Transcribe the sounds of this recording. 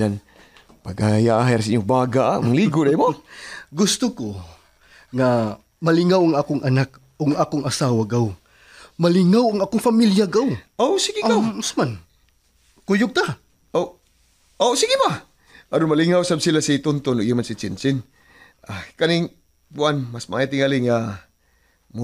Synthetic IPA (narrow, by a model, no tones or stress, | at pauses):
an | paɡajaʔɦajɾsiɲʊbaːɡaʔamaŋliːɡod̪ajmoɡʊst̪ʊko | ŋa | mɐlɪŋawaŋaːkʊŋʔɐnak | oɡŋʔaːkʊŋɐsaːwaɡaw | mɐlɪŋawaŋʔaːkʊŋfamiljaɡawʔosiɡɪawasman | kʊjʊɡ̚t̪a | o | osiɡɪba | ʔaɾʊnmaliŋawsabsilasit̪ʊnt̪onoʔijamansɪt͡ʃɪnsɪn | ʔakanɪŋ | puanmasmaʔajat̪ɪŋalɪŋa | m